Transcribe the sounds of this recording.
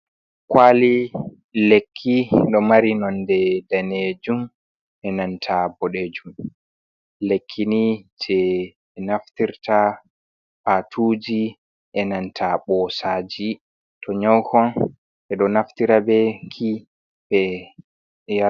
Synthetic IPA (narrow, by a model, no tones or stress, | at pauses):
kwali | lekʰːiɗɔmaɾinɔndɛdaned͡ʒum | ɛnantʰabɔɗed͡ʒum | lekʰːinid͡ʒɛ | naftiɾta | patʰuːd͡ʒi | ʔɛnantʰaɓɔsad͡ʒi | tʰɔɲɔwkɔn | ʔɛɗɔnaftiɾabɛkʰi | bɛ | ja